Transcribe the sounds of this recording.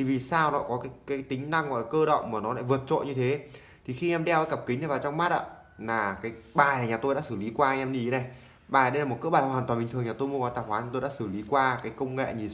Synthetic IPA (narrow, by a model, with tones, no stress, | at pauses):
i˨˩vi˨˩saː˧wnɔ̰˧˨kɔ˨˦kaː˨˦jkaː˨˦t̪ï˨˦ŋ̟na˧ŋɔ̰˧˨la˨˩kəː˧ɗə̰˧˨wŋ͡mmaː˨˩nɔ˨˦la̰ː˧˨vɨ˨˩ət̚t͡ɕo̰˧˨ɲɨ˧t̪ʰe˨˦ | t̪ʰi˨˩xi˧ʔɛ˧mɗɛ˧waː˨˦jkə˨˩p̚kï˨˦na˨˩vaː˨˩t͡ɕɔ˧wŋ͡mmaː˦˥t̚ʔa̰ː˧˨ | laː˨˩kaː˨˦jɓaː˨˩jna˨˩ɲaː˨˩t̪o˧jɗa̰˧˥sɨ˧˩li˨˦kwaː˧ʔɛ˧mɗi˧i˨˦na˨˩j | ɓaː˨˩jɗə˧jlaː˨˩o˨˩t̚kɨ˦˥ɓaː˨˩˨waː˨˩t̪waː˨˩ɓï̟˨˩t̪ɨ˨˩ŋɲaː˨˩t̪o˧jmu˧əkɔ˨˦jt̪aː˨˩xwaː˨˦nʰ˧˩t̪o˧jɗa̰ː˧˥sɨ˧˩li˨˦kwaː˧kaː˨˦jkə˧wŋ͡mŋa̰˧˨ɲi˨˩